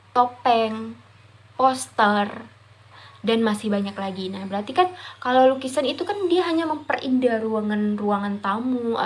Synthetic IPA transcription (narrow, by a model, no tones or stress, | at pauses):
t̪opɛŋ | pɔst̪ər | danmasɪhbaɲaklaɡinahbəɾart̪ikankalawlukisanit̪ukandiaɦaɲaməmpərindaɾuaŋanruaŋant̪amu